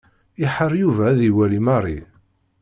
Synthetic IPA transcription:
ɪħəɾˤjuvæðiwælimɑɾˤi

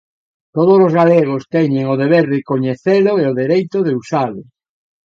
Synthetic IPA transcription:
t̪oð̞oslozɣaleɣ̞ost̪ɛɲeŋoðeβeɾðekoɲeθelʊeoðeɾejt̪oðeusalʊ

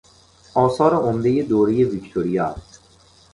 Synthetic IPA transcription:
ɒːsɒːɾeʔomd̪ejed̪oːɾejevikt̪ʰoɾijɒːs

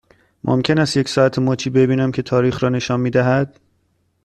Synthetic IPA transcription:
mʔo̰mcʲʰe̞næst̪jecsɒːæt̪ʰemoːt͡ʃʰiːbe̞biːnæmcʲʰe̞t̪ʰɒːɾiːxɾɒːne̞ʃɒːnmiːd̪æɦæd̪̥

